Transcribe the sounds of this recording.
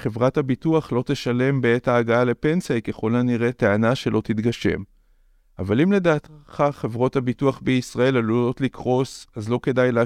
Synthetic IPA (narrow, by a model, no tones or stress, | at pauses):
χevʁathabituaχlo̞te̞ʃale̞mbeetaːɡaale̞pe̞nsajkeχo̞laniʁe̞teanaʃe̞lo̞t̪itɡaʃe̞̰m | avalimle̞daːt̪χaχe̞vʁo̞thabituaχbeisʁae̞lalulo̞tlikʁo̞sazlo̞ke̞dajle